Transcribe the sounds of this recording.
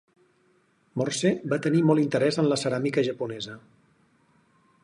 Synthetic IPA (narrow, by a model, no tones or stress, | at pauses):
morsɛbat̪ənimɔlˠint̪əɾɛzənləsəɾamikəʒəpunɛzə